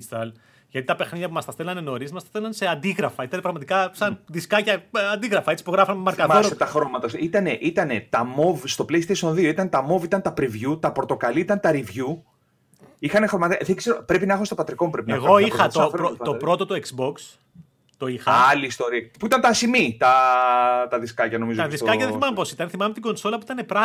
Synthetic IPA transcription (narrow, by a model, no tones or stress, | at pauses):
st̪ɐl | ʝɐt̪it̪ɐpe̞xniðjɐp̬umɐst̪ɐsθelɐneno̞ɾismɐstɐsθelɐnseɐnd̪iɣɾɐfɐit̪ɐnepɾɐɣmɐt̪ikɐsɐnðiskɐcɐɐnd̪iɣɾɐfɐe̞t͡si̥puɣɾɐfɐnmɐɾkɐðoet̪ɐxɾo̞mɐt̪ɐsit̪ɐneʔit̪ɐnet̪ɐmo̞vst̪o̞pleist̪esio̞nðio̞it̪ɐnt̪ɐmo̞vit̪ɐnt̪ɐpɾivʝut̪ɐpɾot̪o̞kɐliit̪ɐnt̪ɐɾivʝu | ixɐnexɾo̞mɐt̪ðekseɾopɾe̞pinɐexust̪o̞pɐt̪ɾiko̞mupɾepinɐeɣoixɐt̪oɾoopɾo̞t̪ot̪oeksbo̞ks | t̪oixɐɐliːst̪o̞ɾiɐ̥puit̪ɐnt̪ɐsimit̪ɐ | t̪ɐðiskɐcɐno̞mizoððiskɐɐðeθimɐmepo̞sit̪ɐnθimɐmet̪iɡo̞nso̞lɐpuit̪ɐnepɾɐ